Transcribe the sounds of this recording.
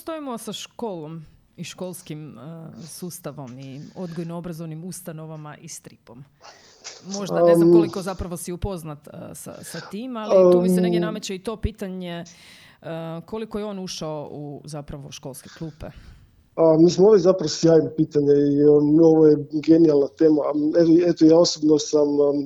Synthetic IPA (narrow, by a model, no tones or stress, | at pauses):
st̪oimosaʃkoːlˠo̞m | iʃko̞lˠskimsuːst̪aʋo̞mio̞d̪ɡojnoobɾazonimust̪ano̞ʋamaʔist̪ɾipo̞m | mo̞ʒdaeznmkolˠikozapɾaʋosiupo̞znat̪sa̰sat̪iːmalimiseeɡjenamet͡ɕait̪o̞piːt̪aɲe | ko̞likojeo̞ːnuʃaouzapɾaʋoʃko̞lˠske̞klˠuːpḛ | amiːsmooʋizapɾaʋosjaːjnopiːt̪aɲeioʋojeɡenialˠnat̪eːmaetoet̪ojaːosobnosam